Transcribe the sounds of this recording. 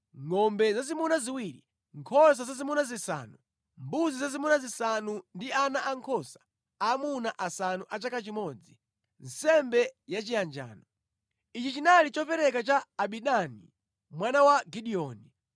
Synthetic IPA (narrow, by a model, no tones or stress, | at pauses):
ŋɔmbɛzazimunaziwiɾi | ŋkʰɔs̬azazimunazisa̰ːnu | mbuzizazimunazisanundianaʔaŋkʰɔsḁ | amunaʔasanuʔat͡ʃakat͡ʃimɔd͡zi | n̩sɛmbɛjat͡ʃijand͡ʒa̰ːnɔ | it͡ʃit͡ʃinalit͡ʃɔpɛɾɛkat͡ʃaːɓiɗani | mwanawaɡiɗiɔːni